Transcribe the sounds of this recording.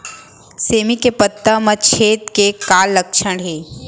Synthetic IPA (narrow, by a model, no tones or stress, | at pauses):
seːmikepət̪ːəmɐt͡ʃʰeːt̪kekaːlːəkʃəɽɦeː